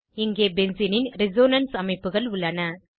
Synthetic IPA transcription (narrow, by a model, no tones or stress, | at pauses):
ɪŋɡeːbɛnsɪnɪnɾɪzoːnɐnsɐmɐɪpːɯɣɐɭʊɭːɐnɐ